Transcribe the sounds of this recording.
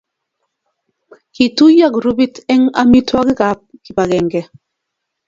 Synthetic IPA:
ki˨tu˦ja˦˨kɾu˦bi˦tɛ˦ŋa˦mi˦twa˦ɡi˦ka˨˦p̚ki˨ba˨ɡɛ˨ŋɡɛ˨

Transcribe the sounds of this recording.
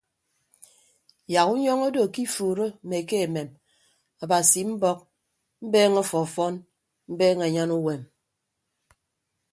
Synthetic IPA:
ja˨ku˦ɲɔ˦ŋo˦do˨ki˦fuː˨ɾo˦˨me˨ke˦e˨me˨m | a˨ba˨si˨m̩˦bɔ˦k̚ | m̩˦beː˦ŋo˦fɔ˨fɔ˦n | m̩˦beː˦ŋe˨ɲa˦nu˦we˨m

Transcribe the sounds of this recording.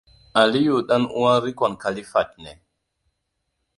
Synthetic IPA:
a˨li˦ju˨ɗa˦nu˦wa˦ɾi˦kɔ˨nka˨li˦fa˨t̚nɛ˨

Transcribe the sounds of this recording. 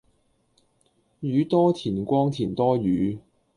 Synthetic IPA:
jyː˨˧t̪ɔː˥t̪ʰiː˨˩nkʷɔː˥ŋt̪ʰiː˨˩nt̪ɔː˥jyː˨˧˦

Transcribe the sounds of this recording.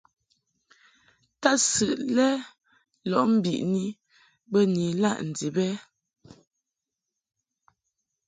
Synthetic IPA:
ta˦sɨ˨ʔlɛ˦ | lɔ˨ʔm̩˦bḭ˨ʔni˦ | bə˦ni˨la̰˦ʔn̩˨di˨bɛ˦

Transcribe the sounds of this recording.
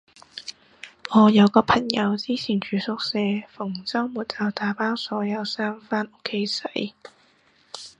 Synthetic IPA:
ŋɔː˨˧jɐ˨˧wkɔː˧pʰɐ˨˩ŋjɐ˨˧wt͡siː˥t͡sʰiː˨˩nt͡ʃyː˨˧sʊ˧˥k̚sɛː˧fʊ˨˩ŋt͡sɐː˥ŋmuː˨˩t̚t͡sɐ˨˧wt̪aː˨˥paː˥wsɔː˨˥jɐ˨˧wsaː˥mfaː˥nʔʊ˥kʰːe˨˧˥jsɐ˨˥j

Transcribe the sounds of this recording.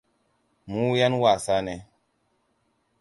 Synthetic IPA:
mu˦ja˦nwa˨sa˦nɛ˨

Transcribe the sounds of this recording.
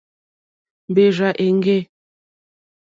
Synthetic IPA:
m˨be˨ʒa˨ʔe˨ŋ˦ɡe˦˨

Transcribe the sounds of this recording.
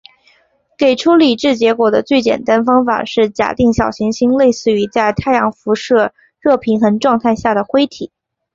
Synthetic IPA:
ke˨˩ɪʈ͡ʂʰu˥li˨˩ʈ͡ʂɻ̩˥˩t͡ɕjɛ˧˥kwɔ˨˩d̪ə˦t͡swe˥˩ɪt͡ɕjɛ̰˨˩nt̪a˥nfɑ˥ŋfa̰˨˩ʂɻ̩˥˩t͡ɕja̰˨˩t̪i˥˩ŋɕjɑ˨˩ʊɕi˧˥ŋɕi˥ŋle˥˧ɪsɹ̩˥˩y˧˥t͡sa˥˩ɪt̪ʰa˥˩ɪjɑ˧˥ŋfu˧˥ʂɤ˥˧ | ɻɤ˥˩pʰi˧˥nxə˧˥nʈ͡ʂwɑ˥˧ŋt̪ʰa˥˧ɪɕja˥˩d̪ə˩xwe˥ɪt̪ʰi˨˩˦

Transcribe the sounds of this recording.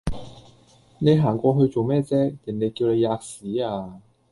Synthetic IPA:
ne˨˧jɦaː˨˩ŋkʷɔː˧ɦɵ˧ɥt͡so˨wmɛː˥˩t͡sɛː˥lɪ˨˩ŋne˨˧jkiː˧wne˨˧jːaː˧k̚siː˨˥aː˧

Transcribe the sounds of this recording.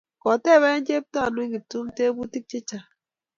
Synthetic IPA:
kɔ˨te˦˨wɛ˦n˦d͡ʒe˦p̚ta˦˨nui˦ɡi˨tu˦mte˦bu˦ti˦k̚t͡ʃe˦t͡ʃa˨

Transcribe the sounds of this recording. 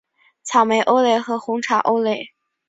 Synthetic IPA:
t͡sʰɑ˨˩ʊme˧˥ɪʔo˥ʊle˥˩ɪxɤ˧˥xʊ˧˥ŋʈ͡ʂʰa̰˨˩ʔo˥ʊle˧˥˩ɪ

